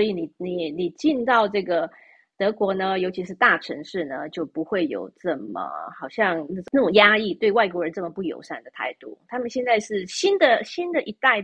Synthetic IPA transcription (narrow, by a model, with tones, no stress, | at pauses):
sɔ˧˥i˧˥ni˨˩ni˨˩ni˨˩t͡ɕi˥˧nt̪ɑ˥˧ʊʈ͡ʂɤ˥˩ɡə˩ | t̪ɤ˧˥kwɔ˧˥nə˧jo˧ʊt͡ɕʰi˧˥ʂɻ̩˥˧t̪a˥˩ʈ͡ʂʰɤ˧˥ŋʂɻ̩˥˩nə˩t͡ɕjo˥˩ʊpu˧˥xwe˥˩ɪjo̰˨˩ʊʈ͡ʂɤ˥˩mə̰˩xɑ˨˩ʊɕjɑ˥˧ŋna˥˩ʈ͡ʂo˨na˥˩ʈ͡ʂʊ˨˩ŋja˥i˥˧t̪we˥˧ɪwa˥˩ɪk̬wɔ˧˥ɻə˧˥nʈ͡ʂɤ˥˩mə˩pu˥˩jo̰˨˩ʊʂa˥˩nd̪ə˩t̪ʰa̰˥˩ɪt̪u˥˩t̪ʰa˥mə˨nɕjɛ˥˧nt͡sa˥˧ɪʂɻ̩˥˩ɕi˥nd̪ə˨ɕi˥nd̪ə˨ʔi˧˥t̪a˥˩ɪ